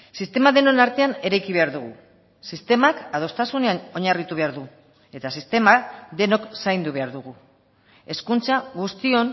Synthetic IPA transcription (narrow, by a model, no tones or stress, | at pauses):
sist̪e̞maðe̞no̞naɾt̪e̞ane̞ɾajkiβ̞e̞aɾðuɣ̞u | sist̪e̞makað̞o̞st̪asune̞ano̞ɲarit̪uβ̞e̞aɾðu | e̞t̪asist̪e̞maðe̞no̞ksajnd̪uβ̞e̞aɾðuɣ̞u | e̞skunt͡saɣust̪io̞n